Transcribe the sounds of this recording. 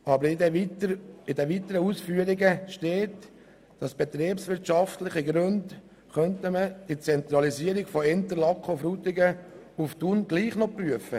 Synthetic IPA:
ɑbəɾ | ɪdɛʋit̪əɾəuːsfyəɾɪɡəʃteːt | d̥ɑsb̥ɛt̪ɾeːpsʋɪɾtʃɑftlɪχəɡɾønd | χœntəməd̥it͡sɛnt̪ɾɑlisiəɾɪɡ̥fɔɪnt̪əɾlɑkʰofɾut̪ɪɡə | uftunɡliːχnɔpryəfə

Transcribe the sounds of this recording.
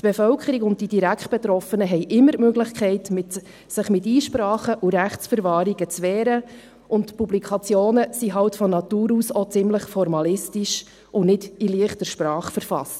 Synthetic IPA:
tb̥efœlkʰəɾikʊnt̚d̥id̥iɾækχt̚b̥ɛt̪ɾɔfənəɦɛɪʔɪmːəɾmøɡlɪχkʰɛɪtmɪt | sɪχmɪtiːʃpɾɑːχəʔuɾæχsfəɾvɑːɾiɡət͡sʋɛːɾə | ʔʊntpublikʰɑt͡sjoːnəsiɦɑltfɔnɑtuːɾuːsɔt͡sɪmləχfɔɾmɑlɪstiʃ | ʔʊnɪdiliəχtəɾʃpɾɑːχfəɾfɑ̰st

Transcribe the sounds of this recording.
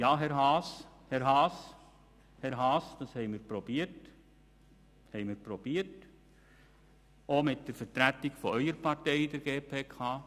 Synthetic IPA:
jɑːɦɛɾɦɑːs | hɛɾɦɑːs | hɛɾɦɑːsd̥̪ɑshɛɪmɪːɾpɾob̥iət | hɛɪmɪɾpɾob̥iət | omɪtd̥əɾfəɾt̪ɾætiɡfɔœʏəɾpɑɾtɛɪd̥̪ɛɾɡ̥eːpʰeːkʰɑː

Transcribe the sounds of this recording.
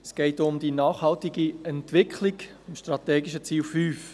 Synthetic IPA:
ɛsɡ̥ɛɪtʊmd̪inɑːχhɑltiɡiɛntʋɪkʰχliɡ | mʃtrɑtɛːɡiʃət͡siːlfyːf

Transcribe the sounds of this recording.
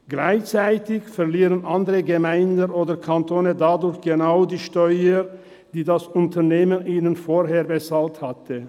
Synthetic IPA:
ɡ̥laɪçt͡saɪtɪçfɛɐliːʁənʔandəʁəɡəmaɪndənʔoːdɐkʰantʰoːnədadʊɾçɡ̥enaʊdiːʃtɔʏə | d̥iːdasʊntɐneːmənʔiːnənfoːɦeːɐbəsalthatʰə

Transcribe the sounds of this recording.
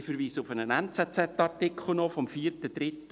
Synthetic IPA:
fəɾʋiːsəʊfənənɛnt͡sɛt͡sɛtːɑrtɪkχl̩ˠnɔfɔmfiːrtəd̥ɾɪt̪

